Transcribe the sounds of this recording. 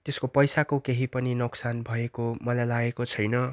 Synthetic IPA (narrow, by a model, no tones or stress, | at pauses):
t̪eskopʌjsakokeɦipʌninoksanbʱʌekomʌlajlaɡekot͡sʰʌjnʌ